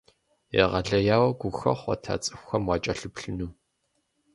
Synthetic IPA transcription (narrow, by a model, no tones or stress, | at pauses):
jɛ̰ʁɐɮɐjaːwɐɡʷʊxɐ̰χʷɔ̰tʰa̰ːt͡sʼɨxʷxɐmwɑːt͡ʃʼɐɬɨpɬɨnuː